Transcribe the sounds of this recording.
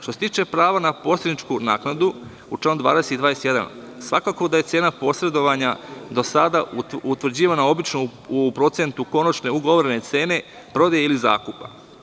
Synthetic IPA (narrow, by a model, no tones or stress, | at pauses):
ʃt̪oset̪iːt͡ʃe̞pɾaːʋanapo̞ːslʲed̪nit͡ʃkunaːknad̪u | ut͡ʃlanud̪ʋa̰ːd̪eset̪id̪aːjeset̪je̞d̪a̰n | sʋa̰kako̞d̪aje̞t̪se̞ːnapo̞sɾe̞d̪o̞ʋaɲad̪o̞sad̪aut̪ʋr̩d͡ʑiːʋanao̞bit͡ʃnopɾo̞t̪se̞nt̪uko̞nat͡ʃne̞uɡo̞ʋoɾene̞t̪se̞ːne̞ | pɾo̞d̪ajeiliza̰ːkupa̰